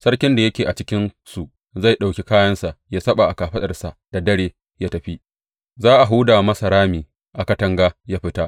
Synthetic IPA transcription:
sɐ˦rkʲɪ˦nda˨jɐ˦kʲeː˨ʔa˨t͡ʃɪ˦kʲɪ˦nsu˨ʔ | za˦˨jɗa˨wkʲe˦kaː˦jɐ˦nsa˨ʔjaː˦sɐ˦ɓa˨ʔa˨kaː˨ɸɐ˦ɗɐ˨rsa˨ʔd̥a˨dɐ˦ɽeː˨ | jaː˦tɐ˨ɸi˦ | zaː˦ʔa˨ɦuː˦daː˨mɐ˦sɐ˨ɾaː˦miː˨ | ʔa˨kɐ˦tɐ˦ŋɡaː˦jaː˦ɸɪ˦ta˦ʔ

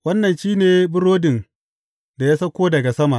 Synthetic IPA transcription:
wɐ˦nːɐ˨nʃiː˦neː˨bʊ˦ɾoː˦dɪ˨n | da˨ja˦sɐ˦kʷoː˦dɐ˨ɡa˨sɐ˦ma˨ʔ

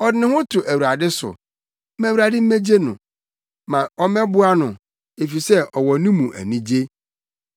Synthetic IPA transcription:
ɔ˨dɪ˦nɪ̃˦hʊ̃˦tʰʊ˨ʔæ˨wu˨ɾa˨dɪ˦sʊ̰˨˦ | mæ̃˦wu˨ɾa˨dɪ˦m̩˦me˦d͡ʑe˦nʊ̰̃˨ | mã˨ɔ˦mɛ̃˦bʊ˦a˦nʊ̃˨ | e˨fi˨sɛ˦ʔɔ˨wɔ˨nĩ˦mũ˨ʔæ̰˨nĩ˦d͡ʑe˦

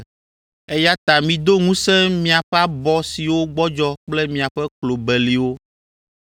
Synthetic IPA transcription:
e˦ja˦t̪a˨mĩ˨d̪o˦ŋũ˦sɛ̃˦mĩ˨a˨ɸɛ˦a˦bɔ˨si˨wo˦ɡ͡bɔ˦d͡ʒɔ˦k͡plɛ˦mĩ˨a˨ɸɛ˦klo˨bɛ˨li˨wo˦

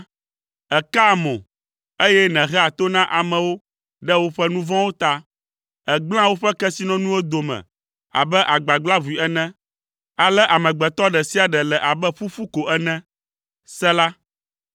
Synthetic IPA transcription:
ɛ˨ka˦˨mɔ̰̃˨ | e˦jɛ˦nɛ̃˨ɦɛ˦a˨t̪o˦nã˦ʔa˨mɛ̃˨wo˦ | ɖɛ˦wo˦ɸɛ˦nũ˦vɔ̃˦wo˦t̪a˦ | ɛ˨ɡ͡bl̃ã˦wo˦ɸɛ˦kɛ˦si˦nɔ̃˦nũ˦wo˦d̪o˨mɛ̰̃˨ | a̰˨bɛ˦ʔa˨ɡ͡ba˨ɡ͡bla˦vu˨i˨ɛ˦nɛ̃˦ | a˨lɛ˦ʔa˨mɛ̃˨ɡ͡bɛ˨t̪ɔ˦ɖɛ˨si˦a˨ɖɛ˨lɛ˨ʔa˨bɛ˦ɸu˦fu˦ko˨ʔɛ˦nɛ̃˦ | sɛ˦la˦

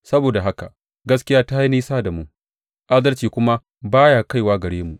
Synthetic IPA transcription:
sɐ˦boː˨da˨ɦa˦ka̰˨ | ɡɐ˦skʲɪ˦jaː˦ta˦ha˦jniː˦saː˦da˨mʊ˦ŋ | ʔa˦dɐ˦lt͡ʃiː˨kʷʊ˦ma˦ | baː˦jaː˨ka˦˨jwaː˦ɡɐ˨ɽeː˦mu˨ʔ

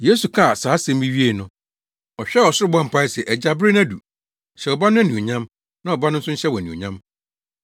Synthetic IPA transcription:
je˦su˨kʰa˦˨saː˨˦sɛ̃˦m˦bi˦ɥi˦e˦nʊ̃˨˦ | ɔ˨ɕᶣɛ˦wɔ˨sʊ˦ɾɪ˦bɔ̃˦m̩˨pʰa˦ɪ˦sɛ˨ʔɛ˨d͡ʑa˦bɾɪ˦næ˦dṵ˨ | ɕɛ˨ɔ˨ba˦nʊ̃˦æ˦nũ˨o˨ɲã˦m | nã˦˨ɔ˨ba˦nʊ̃˦n̩˦sʊ̃˦ɕɛ˦wɔ˨æ˨nĩ˨o̰˨ɲã˦m

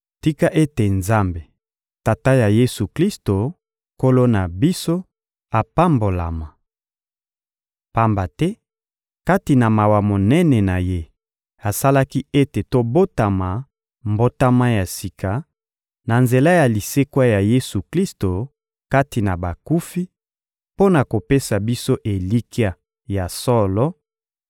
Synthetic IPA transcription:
ti˦ka˦ʔe˦te˨nza˦mbe˨ | ta˨ta˦ja˨je˦su˨kli˦sto˨ | ko˦lo˦na˨bi˦so˦ | a˨pa˦mbo˨la̰˨ma˨ | pa˦mba˨tɛ˦ | ka˦ti˨na˨ma˨wa˨mo˨nɛ˦nɛ˨na˨je˦ | a˨sa˦la˦ki˦e˦te˨to˦bo˦ta˨ma˨ | mbo˦ta˦ma˦ja˨si˨kʰa˨ | na˨nze˨la˦ja˨li˨se˦kwa˦ja˨je˦su˨kli˦sto˨ | ka˦ti˨na˨ba˨ku˦fi˦ | po˦na˨ko˨pe˦sa˨bi˦so˦ʔe˨li˦ki˦a˦ | ja˨sɔ˦lɔ˦

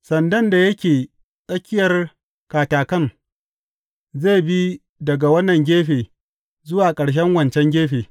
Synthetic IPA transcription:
sɐ˨ndɐ˦nda˨jɐ˦kʲeː˨ | sʼɐ˦kʲɪ˦jɐ˨r | kaː˨taː˨kɐ˦ŋ | zeː˦˨bi˦ | dɐ˨ɡa˨wɐ˦nːɐ˨ŋɡʲeː˦ɸeː˨ | zʊ˦waː˨kʼɐ˨ɽʃ̬ɛ˦ŋwɐ˨nt͡ʃɛ˦ŋɡʲeː˦ɸeː˨

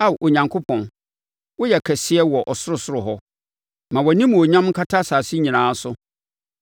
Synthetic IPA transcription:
a˦˨ʔo˨ɲã˨ŋkʰo˦pʰɔ̃˨n | wʊ˦jɛ˨kʰɛ˨sɪ˦ɛ˦wɔ˨ʔɔ˨sʊ˦ɾʊ˦˨sʊ˦ɾʊ˨ɦɔ˦ | mã˨wɔ˨nĩ˦mũ˨o˨ɲã˦m˦kʰa˦tʰa˦saː˨si˦ɲĩ˨nãː˨˦sʊ˦

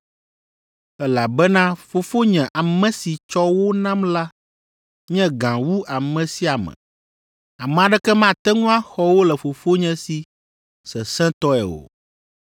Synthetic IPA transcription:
ɛ˦la˨bɛ˦nã˦fo˨fo˦ɲɛ̃˨ʔa˨mɛ̃˨si˨t͡ʃɔ˦wo˦nã˦mla˦ | ɲɛ̃˦ɡã˨wu˦a˨mɛ̃˨si˦a˨mɛ̰̃˨ | a˨mɛ̃˨a˨ɖɛ˦kɛ˦mã˦˨t̪ɛ˦ŋũ˦a˦xɔ˦wo˦lɛ˨fo˨fo˦ɲɛ̃˨si˨ | sɛ˨sɛ̃˦t̪ɔ˦ɛ̰˨o̰˨

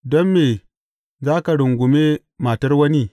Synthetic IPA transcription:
dɔ˦mːe˨ | zaː˦ka˨ɽʊ˨ŋɡʷʊ˨me˦ | maː˨tɐ˦rwɐ˦ni˦

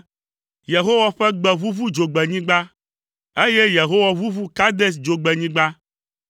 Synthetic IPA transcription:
je˨ɦo˦wa˦ɸɛ˦ɡ͡bɛ˨βu˦vu˦d͡ʒo˨ɡ͡bɛ˨ɲĩ˦ɡ͡ba˦ | e˦je˦je˨ɦo˦wa˨vu˦vu˦ka˦d̪e˦s̬d͡ʒo˨ɡ͡bɛ˨ɲĩ˦ɡ͡ba˦

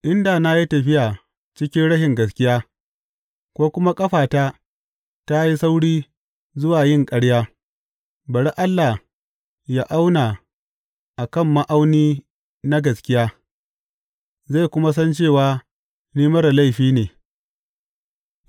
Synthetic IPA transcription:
ʔɪ˦nda˨na˦ji˦tɐ˨ɸɪ˦jʔa˨ | t͡ʃɪ˦kʲɪ˦nɽɐ˦ʃɪ˨ŋɡɐ˨s̬kʲɪ˦jaː˦ | kʷoː˦kʷʊ˦ma˦kʼɐ˦ɸaː˨taː˦ | ta˦ji˦sa˦wɽiː˦ | zʊ˦waː˨jɪ˦˨ŋkʼɐ˦ɽjaː˦ | bɐ˨ɽi˦ʔa˦lːa˨ | ja˦ʔa˦wna˨ | ʔa˨kɐ˦˨mːa˦ʔa˦wniː˦ | na˦ɡɐ˨skʲɪ˦jaː˦ | za˦˨kʷʊ˦ma˦s̬ɐ˦nt͡ʃeː˦˨waː˨˦ | niː˦mɐ˦ra˨la˦˨ɸiː˦neː˨

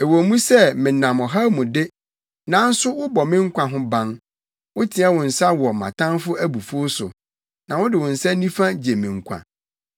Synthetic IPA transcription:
ɛ˨wo˨mũ˦sɛ˦˨mɪ̃˨nã˨mɔ̃˨ɦa˦mũ˨dɪ˦ | nã˨˦n̩˦sʊ˦wʊ˦bɔ˨mɪ̃˦ŋ̩˦kʷʰã˨ɦʊ̃˦bã˦ŋ | wʊ˦tʰi˨ɛ˦wʊ̃˨n̩˨sa˦wɔ˨mã̰˨tʰã˦nfʊ˦ʔæ˦bu˨fu˦sʊ̰˨ | nã˨wʊ̃˦dɪ˨wʊ̃˨n̩˨sa˦nĩ˦fã˦d͡ʑe˨mĩ˨ŋ̩˨kʷʰã̰˨

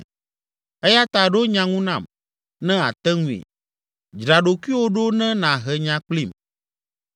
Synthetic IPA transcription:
ɛ˦ja˦t̪a˨ɖo˦ɲã˨ŋũ˦nã˨m | nɛ̃˦a˨t̪ɛ˦ŋũ˨ḭ˨ | d͡ʒɾa˨ɖo˨ku˦i˦wo˦ɖo˦nɛ̃˦nã˨ɦɛ˨ɲã˨k͡pli˦˨m

